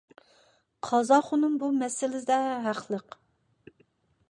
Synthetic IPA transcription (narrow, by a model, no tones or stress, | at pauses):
qʰɑzɑχʊnɨŋbumɛsɪlɪd̪ɛɦæχlˠəq